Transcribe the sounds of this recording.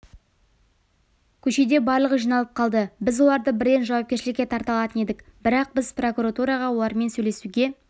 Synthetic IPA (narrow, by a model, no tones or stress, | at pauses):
kʲʰɵʃe̞d̪e̞bɑɾlˠəʁəʒijnɑlˠəp̚qʰɑlˠd̪əbɪzwo̞lˠɑɾd̪əbɪɾd̪e̞nʒɑwɑp̚ʲe̞ɾʃɪlɪkʲːe̞t̪ʰɑɾt̪ɑlˠɑt̪əne̞d̪ɪkbɪɾɑq̚bɪzpro̞kuɾat̪uɾɑʁɑwo̞lˠɑɾme̞nsɵjle̞suɡʲe̞